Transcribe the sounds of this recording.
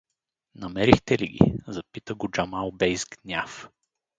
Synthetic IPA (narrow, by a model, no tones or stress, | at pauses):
nɐmɛɾixt̪ɛliɡʲḭzɐpit̪əɡʊd͡ʒamalˠbɛjzɡnʲaf